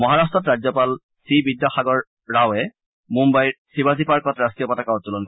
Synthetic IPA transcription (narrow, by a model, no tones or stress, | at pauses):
mɔɦaɹastɹɔtɹad͡ʑzɔpal | sibidːjaxaɡɔɹː | awɛ | mumbajɹsibazipaɹkɔtɹaskijɔpatakaɔttulɔnkɔ